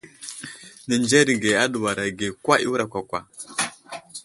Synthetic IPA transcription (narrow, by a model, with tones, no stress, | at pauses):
ni˨nd͡ʒɛ˦ɾi˨ɡe˨a˦ɗu˨wa˨ɾa˨ɡe˨kwa˦ʔḭ˦wu˦ɾa˨kʷa˨kʷa̰˨